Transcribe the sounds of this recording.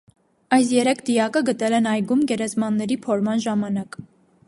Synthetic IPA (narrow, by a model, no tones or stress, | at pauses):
ɑjs̬jɛɾɛkʰd̪ijɑkəɡət̪ɛlɛnɑjɡumɡɛɾɛzmɑnːɛɾipʰɔɾmɑnʒɑmɑnɑk